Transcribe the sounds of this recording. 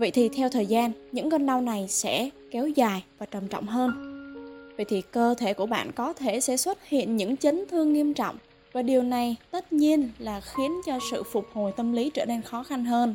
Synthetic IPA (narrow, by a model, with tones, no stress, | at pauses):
və̰˧˨jt̪ʰi˨˩t̪ʰɛ˧wt̪ʰəː˨˩jzaː˧nɲɨ̰˧˥ŋkə˧nɗa˧wna˨˩jsɛ̰˧˥kɛ˨˦wzaː˨˩jvaː˨˩t͡ɕə˨˩mt͡ɕwŋ͡mɦəː˧n | və̰˧˨jt̪ʰi˨˩kəː˧t̪ʰe˧˩ku˧˩əɓa̰ː˧˨nkɔ˨˦t̪ʰe˧˩sɛ̰˧˥swə˦˥t̚hḭ˧˨ənɲɨ̰˧˥ŋt͡ɕə˨˦ŋt̪ʰɨ˧əŋːi˧əmt͡ɕɔ̰˧˨wŋ͡m | vaː˨˩ɗi˨˩əwna˨˩jt̪ə˦˥t̚ɲi˧ənlaː˨˩xi˨˦ənt͡ɕɔ˧sɨ̰˧˨fʊ˨˩k͡p̚ho˨˩jt̪ə˧mli˨˦t͡ɕəː˧˩ne˧nxɔ˨˦xa˧nɦəː˧n